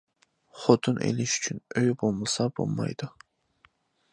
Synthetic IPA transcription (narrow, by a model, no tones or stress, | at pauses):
χot̪ʰɨnʔḛlɪʃy̥t͡ʃʰynøjbolˠməsɑbo̰lˠmɑ̰jd̪̥ʊ